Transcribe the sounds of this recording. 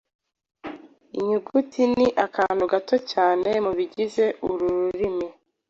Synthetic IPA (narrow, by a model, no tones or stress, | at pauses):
ḭɲuɡutʰiniʔakʰaːn̥uɡato̞caːne̞muβiɟize̞ʔuɾuɾuɾimi